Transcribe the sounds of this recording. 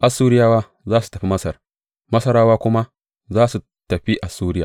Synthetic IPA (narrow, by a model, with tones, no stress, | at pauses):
ʔa˨suː˦ɾɪ˦jaː˦waː˦ | zaː˦su̥˨tɐ˨ɸi˦mɐ˦sɐ˨r | mɐ˦sɐ˦ɾaː˦waː˦kʷʊ˦ma˦ | zaː˦su˨ | tɐ˨ɸi˦ʔa˨suː˦ɾɪ˦ja̰˨